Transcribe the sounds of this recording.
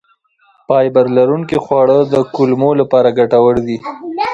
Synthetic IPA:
pɑjbaɾlaɾuŋkixwɑɽəd̪əkʊlmolapɑɾaɡaʈawəɽd̪i

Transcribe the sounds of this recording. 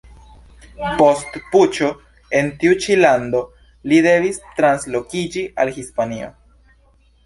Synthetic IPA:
po̞stput͡ʃo̞ | e̞ntiut͡ʃilando̞ | lide̞vistɾanslo̞kid͡ʒiʔalhispanio̞̰

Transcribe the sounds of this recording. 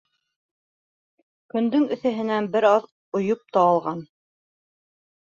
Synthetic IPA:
kɵ̆nd̪ɵŋɵ̆θæɦɘ̆nænbɘɾɑð | ŏjop̚t̪ɑːlˠʁɑn

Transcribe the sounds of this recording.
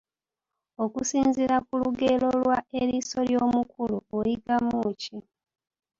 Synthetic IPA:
okusiːnziɾakuluɡe̞lo̞lwaeɾiso̞ljo̞ːmukuluojiɡamuːci

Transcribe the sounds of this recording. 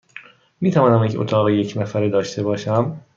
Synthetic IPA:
miːt̪ʰævɒːnæmjeco̰t̪ʰɒːɣejecʰnæfæɾed̪ɒːʃt̪ʰe̞bɒːʃæm

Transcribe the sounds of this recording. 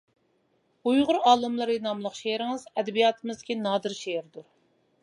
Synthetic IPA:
ujʁʊɾɑːlˠɨmlˠɨɾinɑmlˠəqʃeɾɪŋɨzɛd̪ɛbijɑːt̪ʰɨmɨzd̪ɪkʲinɑːd̪ɨɾʃeɪɾd̪uɾ

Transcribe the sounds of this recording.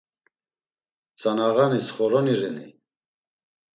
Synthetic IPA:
t͡sʼanaɣanisχɔɾɔniɾɛnḭ

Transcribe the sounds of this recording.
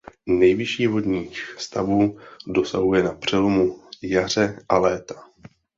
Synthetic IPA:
nɛjvɪʃiːvo̞dɲiːxst̪avuːdo̞saɦujɛnapr̝̥ɛlo̞mujar̝ɛʔalɛːt̪ḁ

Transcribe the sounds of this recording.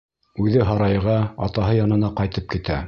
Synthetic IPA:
ʉðɘɦɑɾɑjʁɑɑ̰t̪ɑɦɤjɑnɤ̆nɑqɑjt̪ɤp̚kit̪æ̰

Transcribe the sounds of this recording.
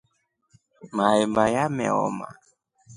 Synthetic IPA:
maɛmbajamɛ̰ɔ̰ma̰

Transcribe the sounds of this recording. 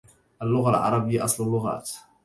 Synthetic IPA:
ʔalːʊɣalʕɑ̰ɾˤɑbɪjːaʔɑsˤlalːʊɣa̰ːt̪

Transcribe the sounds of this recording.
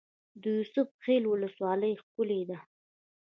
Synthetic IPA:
d̪əjʊsʊbxelwʊləswɑləjxkʊled̪a

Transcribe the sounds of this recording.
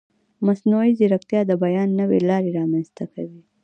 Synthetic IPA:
masnuiziɾakt̪jɑd̪əbajɑnːəwḛlɑɾeɾɑmanzt̪akawi

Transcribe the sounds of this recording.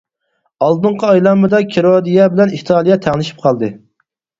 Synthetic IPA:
ɑlˠd̪ɨɴqəɑjlˠɑmɨd̪ɑkʲʰeɾod̪ijɛbɪlɛniht̪ʰɑːlˠijɛt̪ʰæŋlˠɪʃi̥p̚qʰɑlˠd̪ɨ

